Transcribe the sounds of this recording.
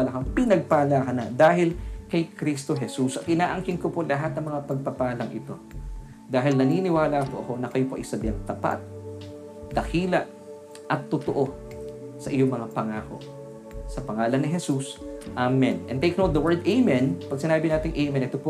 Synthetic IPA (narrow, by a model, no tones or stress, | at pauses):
ɐlɐkɐŋpɪnɐɡ̚paːlakɐnɐd̪aːɦɪlkɐjkɾist̪o̞ɦɛsusʔɐt̪̚ʔɪnaːʔɐŋkɪnkopolɐɦat̪̚nɐŋmɐŋapɐɡ̚pɐpaːlɐŋʔɪ̰t̪o̞ | d̪aːɦɪlnɐninɪwaːlapoʔɐko̞nɐkɐjopoʔɪsɐd̪ɪɐŋt̪ɐpa̰t̪̚ | d̪ɐkʰiːlɐʔ | ʔɐt̪ːot̪oʔo̞ | sɐʔɪjoŋmɐŋapɐŋaːko̞̰ʔ | sɐpɐŋaːlɐnːɪɦɛsusʔamɛnɛ̰̃nt̪eɪjkɐnod̪ɐwɛɹd̪ʔejmɛ̃npɐɡ̚sɪnaːbɪnaːt̪ɪŋʔejmɛ̃nʔɛt̪opo